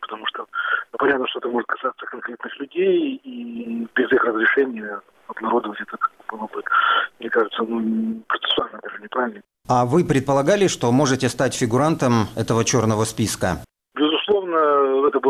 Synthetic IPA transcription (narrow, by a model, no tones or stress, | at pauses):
pə̥t̪ɐmuʂt̪oupɐnʲat̪nəʂt̪oɛt̪əmoʐɨt̪̚kɐ̥sat̪səkɐnkɾʲet̪nɨxlʲʉdʲejibʲɪzixrəzɾʲɪʂɛnʲɪjə | ɐb̪nɐɾo̞d̪əvətʲɛt̪ət̪bɨlˠopɨt̪mnʲekaʐɨt̪sənupɾət̪sɨ̥sʊalʲnəd̪aʐɨnʲɪpɾavʲɪlʲnə | avɨpɾʲɪt̪̚pəlˠɐɡalʲɪʂt̪o̞mo̞ʐɨtʲɪst̪atʲfʲɪɡʊɾant̪əmɛ̰t̪əvət͡ɕo̞rnəvəspʲiskə̰ | bʲɪzʊslˠo̞vnəɛt̪əb